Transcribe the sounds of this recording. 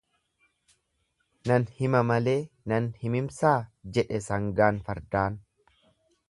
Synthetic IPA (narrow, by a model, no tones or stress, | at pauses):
nɐnhɪmɐmɐle̞ː | nɐnhɪmɪmsaːd͡ʒɛᶑɛsɐŋɡaːnfɐɾd̪aːn